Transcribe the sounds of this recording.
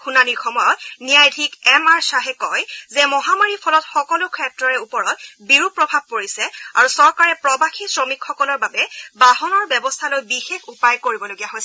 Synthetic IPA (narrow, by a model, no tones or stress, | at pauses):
xunaniɹxɔmɔjɔtnijajdʱikɛmaɹsaɦɛkɔjzɛmɔɦamaɹipʰɔlɔtxɔkɔlukʰɹɛtɹɔɹɛupɔɹɔtbiɹupːɹɔbʱab̚poɹisɛa̰ɹusɔɹkaɹɛpɹɔbaxisɹɔmikxɔkɔlɔɹbabɛbaɦɔnɔɹbɛbɔstʰalojbixexupajkoɹibɔloɡijaɦojsɛ